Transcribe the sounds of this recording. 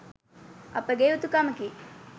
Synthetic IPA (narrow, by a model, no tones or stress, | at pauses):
ɐ̰pəɡeut̪ukaməki